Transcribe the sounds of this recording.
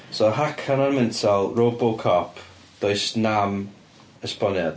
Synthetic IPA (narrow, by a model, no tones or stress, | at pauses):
sɔɦakʰananmɛntʰalˠroːbɔlˠkʰɔpʰ | d̪̥oɨsnam | əspɔnjad